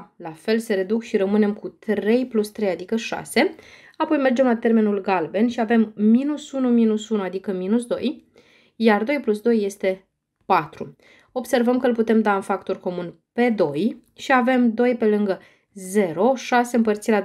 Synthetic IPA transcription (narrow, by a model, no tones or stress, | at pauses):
lafe̞lse̞ɾe̞d̪ukʃiɾəmɨne̞mkut̪ɾe̞jplust̪ɾe̞jad̪ikəʃa̰se̞ | apo̞jme̞rd͡ʒe̞mlat̪e̞rme̞nulɡalbe̞nʃiave̞mːinusunuminusunuad̪ikəminusd̪o̞̰j | jard̪o̞jplusd̪o̞jːe̞st̪e̞ | pat̪ɾu | o̞bse̞rvəmkəɨlput̪e̞md̪aɨnfakt̪o̞rko̞mun | pe̞d̪o̞j | ʃiave̞md̪o̞jpe̞lɨŋɡə | ze̞ɾo̞ʃase̞ɨmpərt̪siɾʲa